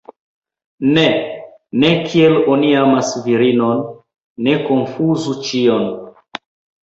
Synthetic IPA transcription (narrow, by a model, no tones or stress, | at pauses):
ne̞ | ne̞kʰie̞loniamasviɾino̞nː | e̞ko̞nfuzut͡ʃio̞n